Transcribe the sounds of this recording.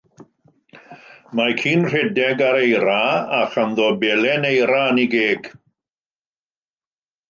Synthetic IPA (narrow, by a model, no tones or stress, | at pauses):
makʰiːnr̥ɛdɛɡaɾejɾaaχanðoːbɛlɛnejɾaniɡeːɡ̥